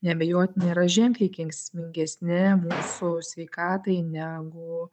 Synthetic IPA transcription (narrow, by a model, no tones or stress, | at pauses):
nʲɛbʲɛjoːt̪ʲɪnʲɛɪɾɐʒʲɪŋkɐɪkʲɪŋksʲmʲɪŋʲɡʲɛsʲnʲɪmuːsʊsʲʋʲɛɪkɑːt̪ɐɪnʲæːɡʊ